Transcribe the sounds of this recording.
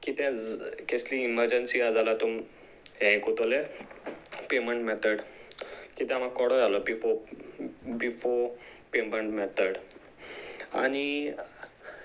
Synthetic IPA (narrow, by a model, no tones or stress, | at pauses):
kit̪ɛ̃kesliːməɾd͡ʑənsiad͡zalat̪um | jãĩkot̪ole | peməɳʈmɛt̪əɽ | kit̪ɛ̃am̤akɔɽɔjalɔbifo | bifopeməɳʈmɛt̪ʰəɽ | a̰ni